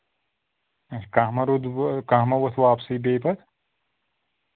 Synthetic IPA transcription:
kaɦmɐɾud̪kaɦmɐʋɐt̪ʰʋaːpsibeːpɐt̪

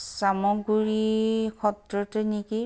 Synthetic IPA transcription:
samɔɡuɹikʰɔtɹɔteniki

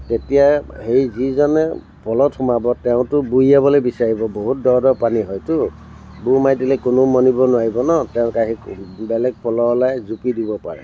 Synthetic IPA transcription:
tetijahejzizɔnɛ | pɔlɔtʰʊmabɔtɛʊ̃tʊbuabɔlojbisaɹibɔboɦut̚dɔɹdɔpaniɦɔjtʊ | bumajdilɛkʊnʊmɔnibɔnʊwaɹibɔnɔtɛʊ̃kaɦikbɛlɛɡ̚pɔlɔlajzupidibɔpa̰ɹɛ̰

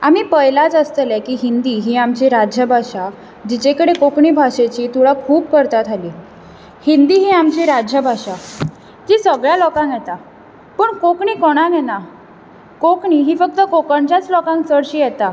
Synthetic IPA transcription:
amiːpəjlat͡səst̪əlɛkiːɦind̪iːɦiːamt͡ɕiɾad͡ʑʱjəbʱaɕa | d͡ʑit͡ɕekəɽekokɳiːbʱaɕet͡ɕiːt̪uɭakʰuːb̚kəɾt̪at̪ʰaliː | hind̪iːɦiːamt͡ɕiɾad͡ʑʱjəbʱaɕa | t̪iːsəɡɭjalɔkãŋkjɛt̪a | pəɳkokɳiːkɔɽ̃anjɛna | kokɳiːɦiːfək̚t̪əkokəɳt͡ɕjat͡slɔkãŋksəɽɕiːjɛt̪a

